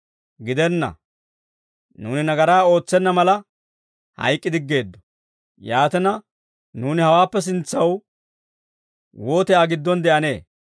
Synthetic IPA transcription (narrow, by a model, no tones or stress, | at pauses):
ɡɪd̪ɛnːɐ̰ | nuːnɪnɐɡɐɾaːo̞ːt͡sːɛnːɐmɐlɐ | hɐ̰jkʼːɪd̪ɪɡːe̞ːd̪ːɔ̥ | jaːt̪ɛnɐ | nuːnɪhɐwaːpːɛs̬ɪnt͡sːɐw | woːt̪ɛaːɡɪd̪ːɔnd̪ɛʔɐne̞ː